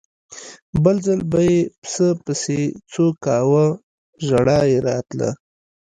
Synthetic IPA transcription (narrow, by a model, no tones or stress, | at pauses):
bəlzəlbajepsəpəset͡sokɑwə | ʒaɽɑjeɾɑt̪la̰